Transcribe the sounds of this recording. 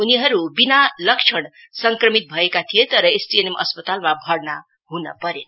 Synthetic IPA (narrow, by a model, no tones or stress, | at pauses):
uniɦʌɾubinalʌkt͡ʃʰʌɽ | sʌŋkrʌmit̪̚bʱʌekat̪ʰijet̪ʌɾʌesʈienemʔʌ̰spʌt̪almabʱʌɾna | ɦunʌ̰pʌɾen